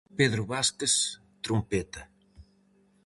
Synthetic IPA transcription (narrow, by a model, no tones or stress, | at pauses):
peðɾʊβaskes | t̪ɾumpet̪ɐ